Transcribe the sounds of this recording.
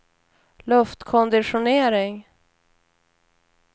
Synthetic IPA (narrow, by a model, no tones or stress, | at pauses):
lɵft̪kʰɔnd̪ɪɧʊneːɾɪŋ